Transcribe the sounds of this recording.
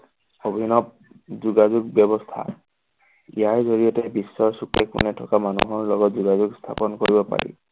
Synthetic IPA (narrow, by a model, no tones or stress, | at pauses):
obʱinɔb̚ | zuɡazuɡ̚bjɔbɔstʰa̰ | ḭjaɹzoɹijɔtɛbisːɔɹsukɛkṵnɛtʰɔkamanṵɦɔɹlɔɡɔtzuɡazuɡst̪ʰapɔnkoɹibɔpa̰ɹḭ